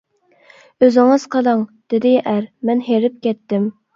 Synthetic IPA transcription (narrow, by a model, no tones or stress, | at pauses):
øzɪŋəz̥qʰəlˠɑŋd̪̥ɪd̪ɪʔæɾmɛnɦeɾɪp̚kʲɛt̪ːɪm